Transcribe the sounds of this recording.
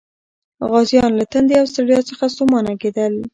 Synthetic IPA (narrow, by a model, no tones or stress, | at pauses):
ɣɑzjɑnlat̪and̪eawst̪aɽjɑt͡səxasomɑnaɡed̪əl